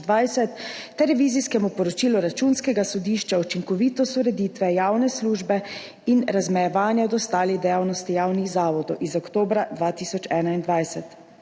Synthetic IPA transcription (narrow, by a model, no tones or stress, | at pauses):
d̪ʋajsɛt̪ːɛɾɛʋiːziskɛmupɔɾɔt͡ʃiːluɾat͡ʃunskɛɡasɔd̪iːʃt͡ʃaut͡ʃiŋkɔʋiːt̪ɔst̪uɾɛd̪iːt̪ʋɛjaːwnɛsluːʒbɛ | inɾazmɛjɛʋaːnjad̪ɔst̪aːlid̪ɛjaːwnɔst̪ijaːwnixzaːʋɔd̪ɔwʔizɔkt̪oːbɾad̪ʋaːt̪isɔt͡ʃɛːnaind̪ʋajsɛt̪